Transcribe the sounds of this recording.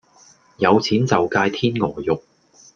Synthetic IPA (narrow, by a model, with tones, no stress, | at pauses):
jɐ˨˧wt͡sʰiː˨˥nt͡sɐ˨˩wkaː˧jt̪ʰiː˥nŋɔː˨˩jʊ˨k̚